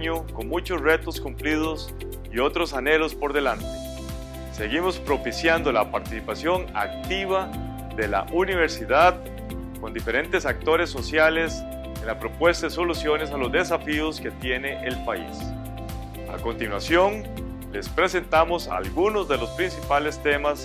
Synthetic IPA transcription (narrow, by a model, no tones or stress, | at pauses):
ɲoko̞ŋmũt͡ʃozre̞t̪oskumpliðos | io̞t̪ɾosane̞lo̞spo̞ɾðe̞lant̪e | se̞ɣimospɾo̞pisjand̪olapaɾt̪isipasjo̞ŋa̰k̚t̪iβa | ðe̞la̰ʔuniβ̞e̞ɾsiðað | ko̞nd̪ife̞ɾe̞nt̪e̞sak̚t̪o̞ɾe̞sːo̞sjale̞s | enlapɾo̞pwe̞st̪aðeso̞lusjo̞ne̞salozd̪e̞safioske̞t̪je̞ne̞ʔelpaḭs | a̰kont̪inwasjo̞ŋ | le̞spɾe̞se̞nt̪amosa̰lɡunozðe̞lospɾinsipale̞st̪e̞mas